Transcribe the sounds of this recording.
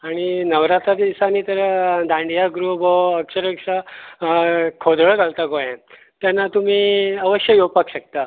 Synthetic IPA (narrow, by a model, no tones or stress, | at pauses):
aɽ̃inəʋɾat̪ɾat̪d̪isaniːt̪əɾd̪ʱãɳɖijaɡɾubɔəkɕəɾəkʂa | kʰod̪ʱəɭɡʱalt̪akojẽ | t̪janːat̪um̤iːəʋəɕjəjowpakɕək̚t̪a